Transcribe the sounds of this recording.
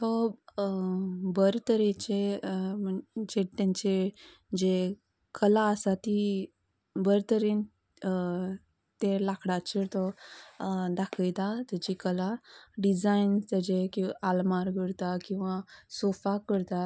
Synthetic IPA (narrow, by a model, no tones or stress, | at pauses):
t̪ɔ | bəɾt̪əɾet͡ɕeməɳd͡ʑet̪ãɲt͡ɕe | d͡ʑe | kəlaəsat̪i | bəɾt̪əɾin | t̪elakʰɽat͡ɕəɾt̪ɔ | d̪akʰəjt̪at̪əd͡ʑikəlaɖid͡zainst̪əd͡ʑekialmaɾɡʱəɽt̪akĩw̃ʋasofakəɾt̪a